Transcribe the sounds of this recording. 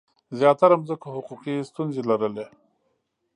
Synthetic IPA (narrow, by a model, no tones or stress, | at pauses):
zjɑt̪aɾamzəkohʊquqist̪unzelaɾəle